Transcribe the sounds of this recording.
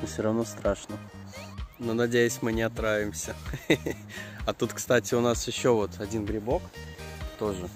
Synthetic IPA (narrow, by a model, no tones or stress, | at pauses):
nfsʲoɾɐvno̞st̪ɾaʂnə | nonɐdʲejʊsʲmɨnʲɪɐt̪ɾavʲɪmsʲə | ɐt̪ut̪kst̪atʲɪʊnasjɪɕːovo̞t̪ɐdʲinɡɾʲɪbo̞kt̪o̞ʐɨ